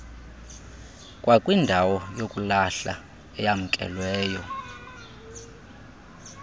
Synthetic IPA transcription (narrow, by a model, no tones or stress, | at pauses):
kʼwʔakʼwindʱawɔjokʼulaɬa̰ | ɛjam̩kʼɛ̰lwɛːjɔ